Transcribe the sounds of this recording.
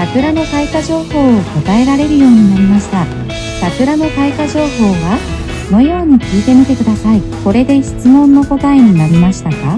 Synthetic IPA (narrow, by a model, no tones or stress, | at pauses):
sakɯ̟ɾano̞kaikaʑo̞ːho̞ːoko̞t̪ae̞ɾaɾe̞ɾɯ̟jo̞ːɲ̟inaɾʲimaɕi̥t̪a | sakɯ̟ɾano̞kaikaʑo̞ːɦo̞ːβa | sono̞jo̞ːɲ̟ikʲiːt̪e̞mʲit̪e̞kɯ̟d̪asai | ko̞ɾe̞d̪e̞çi̥t͡sɨmõ̞nːo̞ko̞t̪aeɲ̟inaɾʲimaɕi̥t̪aka